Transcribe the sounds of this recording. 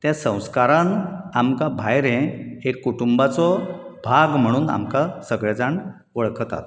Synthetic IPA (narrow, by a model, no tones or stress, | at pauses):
t̪jãsə̃w̃skaɾanamkabʱajɾɛ̃ekːuʈumbat͡sɔbʱaɡm̤əɽ̃uːna̰mkasəɡɭɛd͡zaɳ | ʋəɭkt̪a̰t̪